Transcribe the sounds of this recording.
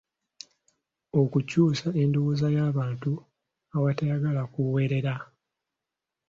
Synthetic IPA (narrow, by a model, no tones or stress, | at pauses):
o̞kucuːsaʔe̞nduwuːzajaːβaːntu | awatajaɡalakuwe̞ːɾe̞ɾa